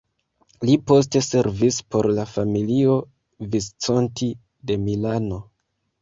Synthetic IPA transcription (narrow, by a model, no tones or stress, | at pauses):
lipo̞s̬te̞se̞ɾvispo̞ɾlafamilio̞ | vist͡so̞nti | de̞milano̞